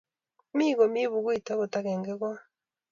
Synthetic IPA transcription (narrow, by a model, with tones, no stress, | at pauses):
mi˦ɣo˨mi˦βu˨ɣwi˨ta˦ɣo˨ta˦ɣeː˨ŋɡe˦ɣwa˦